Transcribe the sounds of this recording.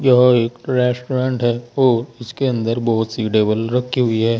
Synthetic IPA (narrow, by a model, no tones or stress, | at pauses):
jɐɦeːkɾɛːsʈoɾẽːɳʈɦɛːɔːɾɪskeɐ̃nd̪əɾbɔɦʊt̪siɖeːbəlɾɐkʰiɦʊiɦɛː